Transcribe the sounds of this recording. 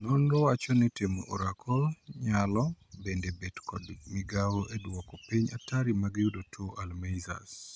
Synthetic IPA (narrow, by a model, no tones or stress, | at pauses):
nɔnɾɔwat͡ʃɔnitemoʔɔɾakʰɔlɲalɔbendebedkɔdmɪɡawɔʔedwɔkɔpiɲatʰaɾimaɡijudotʰoʔalmejza̰s